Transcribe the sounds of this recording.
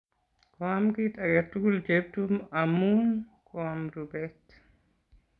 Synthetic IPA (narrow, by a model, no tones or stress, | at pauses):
kɔamkitʼaɡetːuɡuld͡ʒeb̚tumamːunkʰɔamɾubɛt